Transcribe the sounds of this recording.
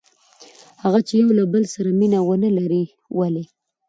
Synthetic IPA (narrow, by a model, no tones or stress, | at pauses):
haɣat͡ʃejawlabəlsaɾaminawənəlaɾi | wale